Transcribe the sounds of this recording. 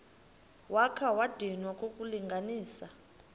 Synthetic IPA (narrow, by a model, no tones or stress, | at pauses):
wakʰawad̥ʱinwakʼokʼuliŋɡʱaniːsa